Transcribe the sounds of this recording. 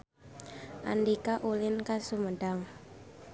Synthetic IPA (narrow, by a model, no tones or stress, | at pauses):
ʔa̰ndikaʔulɪnkasuməɖ̥aŋ